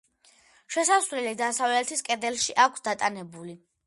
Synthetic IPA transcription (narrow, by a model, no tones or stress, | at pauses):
ʃɛsasvlɛlid̪asavlɛt̪ʰiskʼɛd̪ɛlˠʃiʔakʷʰsd̪at̪ʼanɛbuli